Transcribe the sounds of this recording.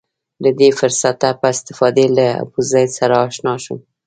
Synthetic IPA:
d̪əd̪efʊɾsat̪apəɪst̪ɪ̥fɑd̪elaa̰buzajd̪saɾaːʃnɑʃum

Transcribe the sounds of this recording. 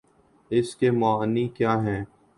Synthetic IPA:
ɪskemʊaːnikjaːɦɛ̃ː

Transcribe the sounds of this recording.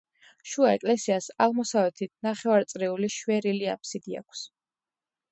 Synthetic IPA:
ʃuaɛkʼlɛsiasaʁmɔsavɛt̪ʰit̪̚ʰnaχɛvaɾt̪sʼɾɛuliʃwɛɾilia̰pʰsid̪ia̰kʷʰs

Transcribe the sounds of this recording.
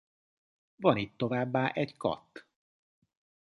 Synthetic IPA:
vɒnit̪ːo̞vaːbːaːʔɛɟkɒ̰t̪ː

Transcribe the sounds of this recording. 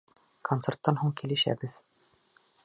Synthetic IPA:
kʰont̪sert̪ːɑnɦuɴkilɘ̆ʃæ̰bɘð

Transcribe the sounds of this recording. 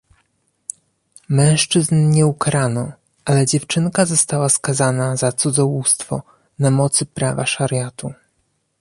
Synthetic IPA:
mɛ̃w̃ʂt͡ʂɘznɲɛukɾanɔ | ʔalɛd͡ʑɛft͡ʂɘnkazɔst̪awaskazanazat̪sud̪zɔwust̪fɔ̰ | namɔt̪sɘpɾava̰ʂaɾʲjat̪u

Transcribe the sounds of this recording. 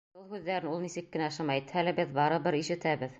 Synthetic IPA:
ɤlˠhʉðːæɾɘnulˠnisɘkːɘ̆næʃɤmæjt̪hælɘbɘðbɑɾɤbɘɾiʃɘ̆t̪æbɘð

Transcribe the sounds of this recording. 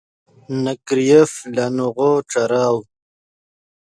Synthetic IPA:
nakɾijeflanuɣoʈ͡ʂaɾɑːw

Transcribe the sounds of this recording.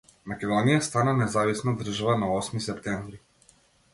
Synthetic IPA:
makʲɛd̪ɔnijast̪ananɛzavisnɔd̪r̩ʒavanaɔsmisɛpt̪ɛɱvɾi

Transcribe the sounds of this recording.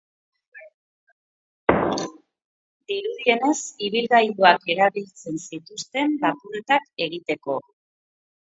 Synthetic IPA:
d̪iɾuðie̞ne̞siβilɣajðuake̞ɾaβilt͡se̞nsit̪ust̪e̞mbakuɾet̪ake̞ɣit̪e̞ko̞

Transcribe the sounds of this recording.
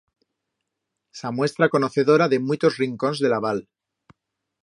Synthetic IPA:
samwe̞st̪ɾako̞no̞θe̞ðo̞ɾaðe̞muit̪o̞zriŋko̞nzðe̞laβ̞al

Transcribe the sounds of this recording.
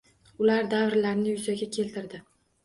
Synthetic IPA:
ʊlaɾd̪avɾlaɾnɪjʊzaɡʲakʲʰe̞lt̪ʰɪɾd̪ɪ

